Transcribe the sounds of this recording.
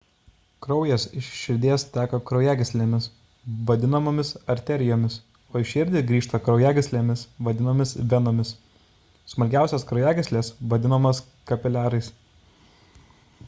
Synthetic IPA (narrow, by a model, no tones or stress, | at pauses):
kɾɒʊjɛsɪʃʃʲɪɾʲd̪ʲiɛst̪ʲæːkɐkɾɐʊjæːɡʲɪsʲlʲeːmʲɪs | ʋɐd̪ʲɪnɐmoːmʲɪsɐɾʲt̪ʲɛɾʲɪjoːmʲɪs | oːɪʃʲɪɾʲd̪ʲɪɡɾʲiːʃt̪ɐkɾɒʊjæːɡʲɪsʲlʲeːmʲɪsʋɐd̪ʲɪnoːmʲɪsʋʲɛnoːmʲɪs | smɐlʲɡʲæˑʊsʲɛskɾɐʊjæːɡʲɪsʲlʲeːsʋɐd̪ʲɪnɐmɐs | kɐpʲɪlʲæːɾɐɪs